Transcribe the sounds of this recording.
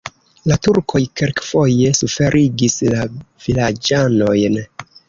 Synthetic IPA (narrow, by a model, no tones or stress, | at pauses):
latuɾkʰo̞jkelkfo̞je̞sufe̞ɾʔiɡislav̥ilad͡ʒano̞jn